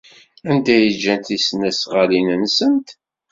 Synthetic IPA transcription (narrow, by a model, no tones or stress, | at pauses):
ænd̪æjəd͡ʒːænt̪isnæsʁəlinənsənt̪